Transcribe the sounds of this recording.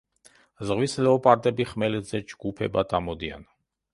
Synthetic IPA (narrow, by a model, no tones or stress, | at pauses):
zʁwislɛɔpʼaɾt̪ʼɛbiχmɛlɛd̪zɛd͡ʒɡupʰɛ̰bad̪ʰamɔd̪ia̰n